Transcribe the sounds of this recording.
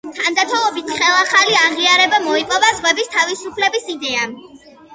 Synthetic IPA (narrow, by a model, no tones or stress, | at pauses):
t̪ʰand̪at̪ʰɔlˠɔbit̪ʰχɛlˠaχaliaʁiaɾɛbamɔipʼɔvazʁwɛbist̪ʰavisupʰlɛbisid̪ɛa